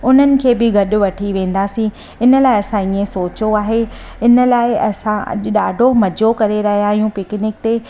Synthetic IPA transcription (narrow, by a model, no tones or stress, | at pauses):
ʊn̤ənɪ̆kʰeːbɪɡʱɐɗʊ̆ʋɐʈʰiʋẽːn̆d̪aːsĩ | ɪnəlaːɪɐsãiːẽsoːt͡ɕoaːɦe | ɪnə̆laːɪɐ̰sãɐ̰ʄɗaːɖʱomɐd͡ʑʱokɐɾeɾɐɦijãːɦijũpɪknɪk̚t̪eː